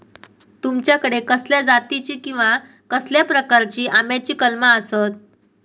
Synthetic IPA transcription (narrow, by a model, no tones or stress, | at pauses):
t̪umt͡ɕjakəɽekəsljad͡zat̪it͡ɕiːkĩw̃ʋa | kəsljapɾəkaɾt͡ɕiːʔamjat͡ɕiːkəlmaəsət̪̚